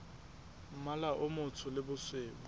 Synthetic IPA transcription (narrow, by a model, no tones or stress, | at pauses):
m̩malaʔʊmʊt͡sʰʊlɪbʊsweːb